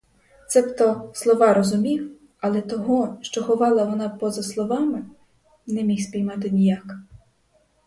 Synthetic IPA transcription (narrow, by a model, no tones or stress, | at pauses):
t̪sɛpt̪ɔslˠɔʋɑɾɔzʊmʲiw | ɐlˠɛt̪ɔɦɔʃt͡ʃɔxɔʋɑlˠɐʋɔnɑpɔzɐslˠɔʋɑmɪ | nɛmʲixsʲpʲijmɑt̪ɪnʲijak